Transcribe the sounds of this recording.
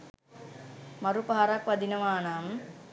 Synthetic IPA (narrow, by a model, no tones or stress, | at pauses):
mɐɾupaɦaɾakʋɐd̪inəʋaːnaːm